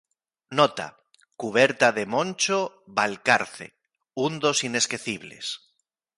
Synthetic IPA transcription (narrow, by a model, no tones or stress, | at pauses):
not̪a̰ | kuβ̞eɾt̪aðemõnʲt͡ʃo | βalkaɾθḛ | und̪o̞sine̞skeθiβ̞le̞̰s